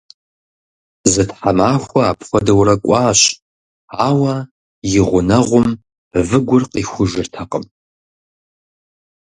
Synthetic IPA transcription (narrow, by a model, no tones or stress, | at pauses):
zɨtħamaːxʷɔaːpʰxʷɔdɐwrɐkʷʼɑːɕ | aːwɐ | jɪʁʷʊnɐʁʷʊm | vɨɡʷʊrqiːxʷʊʒɨrtʰɐqəm